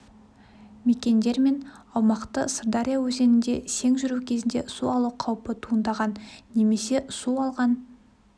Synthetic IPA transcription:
me̞kʲe̞nd̪e̞ɾme̞nɑwmɑqt̪əsəd̪aɾʲijawɵze̞nɪnd̪e̞se̞ŋʒʏɾukʲʰe̞zɪnd̪e̞suɑlˠuqʰɑwpət̪ʰuənd̪ɑʁɑnːe̞me̞se̞suɑlˠʁɑn

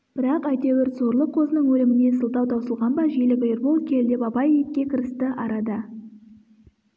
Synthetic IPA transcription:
b̥ɪɾɑqæjt̪ewɪɾt̪zo̞ɾlˠəqqʰo̞zənəɴwɵlɪmɪne̞səlˠt̪ɑwt̪ʰɑwsəlˠʁɑnbɑʒielɪkɪjɪɾbolˠkʲʰe̞ld̪epɑpɑjejɪt̪̚ʲkʲːe̞kʲʰɪɾɪst̪ɪʔɑɾɑd̪ə

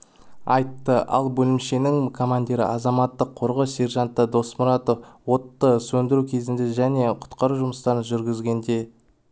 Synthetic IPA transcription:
ɑjt̪ːəʔɑ̰lˠbɵlɪmʃe̞nɪŋkʰo̞mand̪ʲeɾɪ̰ʔɑzɑmɑt̪ːəqʰːo̞ɾʁəse̞ɾʒɑnt̪ːəd̪o̞smʊɾɑt̪o̞fwo̞t̪ːəsɵnd̪ɪɾukʲʰe̞zɪnd̪e̞ʒæne̞qʰʊ̥t̪qɑɾuʒʊməst̪ɑɾənʒʏɾɡʲɪzɡʲe̞nd̪e̞

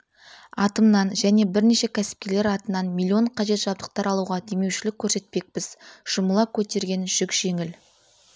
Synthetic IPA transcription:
ɑt̪əmnɑnʒæne̞bɪɾne̞ʃe̞kʲʰæsɪ̥p̚kʲe̞le̞ɾɑt̪ənɑnmʲilʲˠːio̞ɴqʰɑʒe̞t̪ʒ̥ɑbd̪əq̚t̪ɑɾɑlˠuʁɑd̪e̞mewʃɪlɪkʲʰːɵɾse̞t̪̚pe̞k̚pɪz̥ʒ̥ʊməlˠɑkʲʰɵt̪e̞ɾɡʲe̞nʒ̥ʏkʒ̥e̞ŋɪl

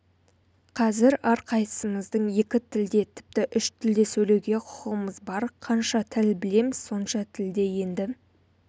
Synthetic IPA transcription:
qʰɑzɪɾɑɾqʰɑjt̪ə̥səɴəzd̪əɴje̞kʲɪt̪ʰɪld̪e̞t̪ʰɪ̥p̚t̪ɪʔʏʃt̪ʰɪld̪e̞sɵle̞wɡʲe̞qʰʊ̥qəʁəməzbɑɾqʰɑnʃɑt̪ʰɪlbɪle̞mɪz̥so̞nʃɑt̪ʰɪld̪e̞je̞nd̪ɪ

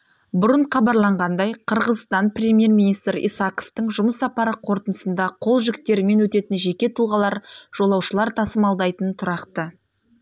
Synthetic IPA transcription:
bʊɾəɴχɑbɑɾlˠɑɴʁɑnd̪ɑjqʰəɾʁəzst̪ɑnprʲe̞mʲje̞ɾminijst̪ɾʔḭjsɑko̞ft̪əɴʒʊməsːɑpɑɾəqʰo̞ɾt̪ənəsənd̪ɑqʰo̞lˠʒɪkt̪e̞ɾɪme̞nwɵt̪e̞t̪ɪnʒe̞kʲe̞t̪ʰulˠʁɑlˠɑɾʒ̥o̞lˠɑwʃəlˠɑɾt̪ʰɑsəmɑlˠd̪ɑjt̪ənt̪ʰʊɾɑqt̪ə

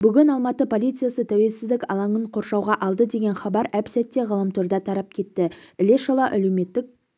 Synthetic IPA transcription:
bʏɡʲɪnɑlˠmɑt̪əpʰo̞lʲijt̪sɨjasət̪ʰæwe̞lsɪzd̪ɪkʲɑ̰lˠɑɴəɴqʰo̞ɾʃɑwʁɑʔɑlˠd̪əd̪e̞ɡʲe̞nχɑbɑɾæpsæt̪ːe̞ʁɑlˠɑmt̪ʰoɾd̪ɑt̪ʰɑɾɑp̚kʲʰe̞t̪ːɪɪle̞ʃɑlˠɑʔælewme̞t̪ːɪk̚

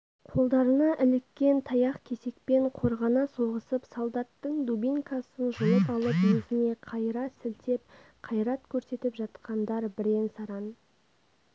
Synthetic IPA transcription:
qʰo̞lˠd̪ɑɾənɑʔɪlɪkʲːe̞nt̪ʰɑjɑqkʲʰe̞se̞k̚pe̞ɴqʰo̞ɾʁɑnɑso̞ʁəsəpsolˠd̪ɑt̪ːəɴd̪ubʲiŋkɑsənʒolˠəpɑlˠəpjɵzɪne̞qʰɑjɾɑsɪlt̪e̞p̚ | qʰɑjɾɑt̪kʲʰɵɾse̞t̪ɪpʒɑt̪qɑnd̪ɑɾbɪɾensɑɾɑn

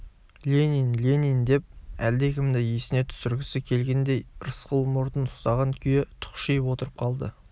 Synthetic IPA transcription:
lʲenʲinlʲe̞nind̪e̞p̚æld̪ekʲɪmd̪ɪjesɪne̞t̪ʰʏ̥sʏɾɡʲɪsɪkʲʰe̞lɡʲe̞nd̪e̞jɾəsqəlˠmʊɾd̪ənʊ̥st̪ɑʁɑnkʲʰijet̪ʰʊ̥qʃijəpwo̞t̪əɾəp̚qʰɑlˠd̪ə̰

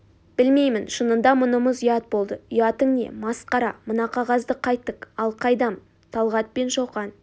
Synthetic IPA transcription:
b̥ɪlme̞jmɪnʃənənd̪ɑmʊnəməzijɑt̪̚bo̞lˠd̪əʏjɑt̪əŋne̞̰mɑsqɑɾɑmənɑqʰɑʁɑzd̪əqʰɑjt̪ːəqɑlˠqʰɑjd̪ɑm | t̪ʰɑlˠʁɑt̪̚pe̞nʃoqɑn

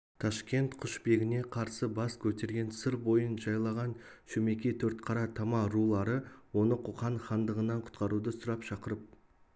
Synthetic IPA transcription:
t̪ʰɑʃkʲe̞nt̪qʰʊʃbe̞ɡʲɪne̞qʰɑɾsəbɑskʲʰɵt̪e̞ɾɡʲe̞nsəɾbo̞jənʒɑjlˠɑʁɑnʃɵme̞kʲe̞t̪ʰɵɾt̪qʰɑɾɑt̪ʰɑmɑɾulˠɑɾəwo̞nəqʰʊqɑnχɑnd̪əʁənːɑɴqʰʊ̥t̪qɑɾud̪əsʊɾɑpʃɑqəɾəp̚

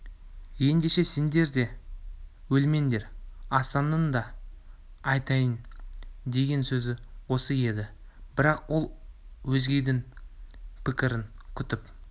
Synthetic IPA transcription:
je̞nd̪e̞ʃe̞se̞nd̪e̞ɾd̪e̞ | wɵlme̞nd̪e̞ɾɑsɑnənd̪ɑː | jt̪ɑjənd̪e̞ɡʲe̞nsɵzɪwo̞səje̞d̪ɪ | bɪɾɑqwo̞lˠwɵzɡʲe̞jd̪ɪŋ | pʰɪkʲɪɾɪŋkʲʰʏt̪ɪp

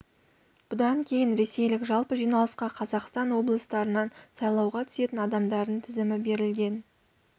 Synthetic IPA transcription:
b̥ʊd̪ɑŋkʲʰe̞jɪnɾe̞se̞jlɪkʒɑlˠpəʒijnɑlˠəsqɑqʰɑzɑqst̪ɑnwo̞blˠəst̪ɑɾənɑnsɑjlˠɑwʁɑt̪ʰʏ̥se̞t̪ɪnɑd̪ɑmd̪ɑɾd̪ənt̪ʰɪzɪmɪbe̞ɾɪlɡʲe̞n

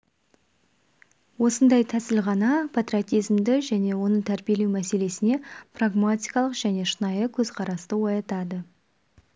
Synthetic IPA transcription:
wo̞sənd̪ɑjt̪ʰæsɪlʁɑnɑpʰat̪ɾrʲiot̪ʲijzmd̪ɪʒæne̞wo̞nət̪ʰæɾbije̞lewmæse̞le̞sɪne̞praɡmat̪ʲijkɑlˠəqʒ̥æne̞ʃənɑjəkʲʰɵzqʰɑɾɑst̪əwojɑt̪ɑd̪ə

